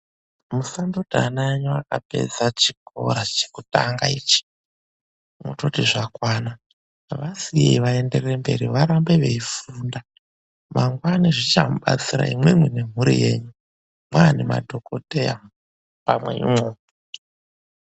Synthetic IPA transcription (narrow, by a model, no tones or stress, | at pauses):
musandodʱanaeɲuakape̞̰d͡zat͡ʃiko̞̰ɾat͡ʃe̥kutaŋɡait͡ʃi̥ | moto̞tiʐakwana | ʋasiḛiʋaende̞rembe̞̰ɾiʋaɾambe̞ʋe̞ifunda | maŋɡwaniʐit͡ʃamuɓat͡siɾa̰imwemwene̞m̤uɾḭje̞ːɲu | mwaːnema̰dʱo̞kodʱeja | pamwe̞̰ḭmoː